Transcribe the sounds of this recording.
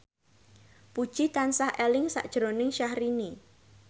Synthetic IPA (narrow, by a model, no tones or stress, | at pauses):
pud̥ʒ̥it̪ansahelɪŋsa̰ʔd̥ʒ̥ɾonɪŋʃahɾini